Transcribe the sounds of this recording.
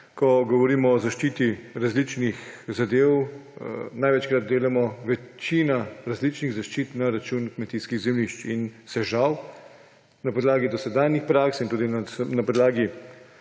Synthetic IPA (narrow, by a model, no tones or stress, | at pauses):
kɔɡɔʋɔɾiːmɔːzaʃt͡ʃiːt̪iɾazlit͡ʃnixzad̪eːw | najʋɛt͡ʃkɾat̪̚d̪eːlamɔʋɛt͡ʃinaɾazlit͡ʃniɣzaʃt͡ʃiːt̪naɾat͡ʃunkmɛt̪iːskiɣzɛmliʃt͡ʃinsɛʒaw | napɔd̪laːɡid̪ɔsɛd̪aːnjixpɾaksint̪uːd̪inanapɔd̪laːɡi